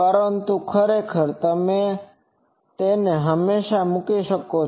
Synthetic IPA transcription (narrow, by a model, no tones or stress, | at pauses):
pəɾənt̪ukʰəɾekʰəɾt̪əmẽ | t̪eneɦəmːeʃamukiʃəko